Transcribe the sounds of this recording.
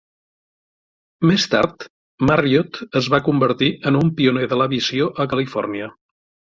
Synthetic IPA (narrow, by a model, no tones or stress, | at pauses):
mest̪a̰ɾt̪ | mariot̪əzβakumbəɾt̪iʔənumpiuneðələβizioʔəkəlifɔ̰rniə